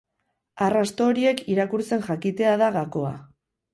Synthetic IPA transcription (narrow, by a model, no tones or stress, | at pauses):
arast̪o̞ːɾie̞kiɾakuɾt͡se̞nʝakit̪e̞aðaɣako̞a̰